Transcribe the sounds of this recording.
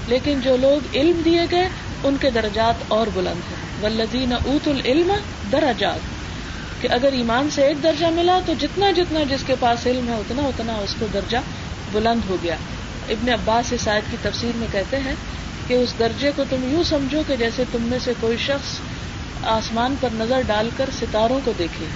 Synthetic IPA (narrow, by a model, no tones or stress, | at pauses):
leːkɪnd͡ʒoːloːɡɪlmd̪ieɡɐe | ʊnked̪ɐɾɐd͡ʒaːt̪ɔːɾbʊlə̃nd̪ɦɛ̃ː | ʋɐlːɐðiːnɐʔuːt̪ulɪlm | d̪ɐɾɐd͡ʒaːt̪ | keʔɐɡəɾiːmaːnseeːk̚d̪ɐɾd͡ʒamɪlat̪od͡ʒɪt̪nad͡ʒɪt̪nad͡ʒɪskepaːsɪlmɦɛʊt̪naʊt̪naʊskod̪ɐɾd͡ʒa | bʊlə̃nd̪ɦoɡɐjaː | ɪbneɐbːaːsɦɪsaːɪəd̪̚kit̪ɐfsiːɾmẽkɛɦt̪eɦɛ̃ | keʊsd̪ɐɾd͡ʒekot̪ʊmjũsɐmd͡ʒʱoked͡ʒɛːset̪ʊmːẽsekoːiʃɐxs | aːsmaːnpɐɾnɐzəɾɖaːlkɐɾsɪt̪aːɾõkod̪eːkʰẽː